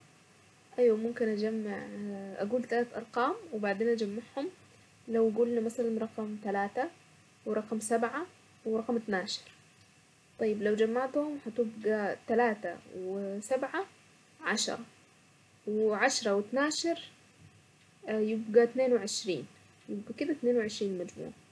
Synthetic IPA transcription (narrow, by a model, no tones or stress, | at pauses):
ʔajwamʊmkɪnʔad͡ʒamːaʕʔaɡuːlt̪alaːt̪ʔɑ̰ɾˤqɑːmwɪbaʕd̪eːnʔad͡ʒamːaʕhʊm | lawɡuːlnimasalanɾˤɑqɑmt̪alaːt̪a | wɾˤɑqɑmsabʕa | wɾˤɑqɑmt̪naːʃɑ̥ɾ | t̪ˤɑjːɪblawd͡ʒamːaʕt̪hʊmhat̪ɪbɡat̪alaːt̪a̰wsabʕa | ʕaʃɑ̰ɾˤɑ | wʕaʃɾˤɑwɪt̪naːʃɑɾ | jɪbɡat̪neːnwʕɪʃɾiːn | jɪbɡakɪd̪at̪neːnwɪʕɪʃɾiːnlmad͡ʒmṵːʕa